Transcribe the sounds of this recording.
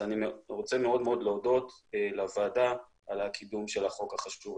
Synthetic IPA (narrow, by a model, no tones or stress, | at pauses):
animʁot͡se̞me̞o̞d̪meo̞d̪leod̪o̞telavaːda | alakʰid̪umʃe̞laχo̞khaχaʃuv